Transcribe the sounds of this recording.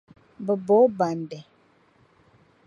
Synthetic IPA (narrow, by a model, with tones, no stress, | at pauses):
bə˨bɔ˨˦ba˨ndɛ˨